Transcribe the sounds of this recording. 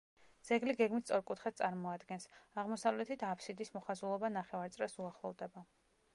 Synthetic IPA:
d̪z̥ɛɡliɡɛɡmit̪ʰt̪sʼɔɾkʼut̪ʰχɛt̪̚t̪sʼaɾmɔad̪ɡɛnsaʁmɔsavlɛt̪ʰit̪ʰapʰsid̪ismɔχazulˠɔbanaχɛvaɾt̪sʼɾɛsuaχlˠɔvd̪ɛba

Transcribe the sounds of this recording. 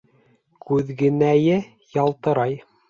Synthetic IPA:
kʉðɡɘ̆næjɘ | jɑlˠt̪ɤ̆ɾɑj

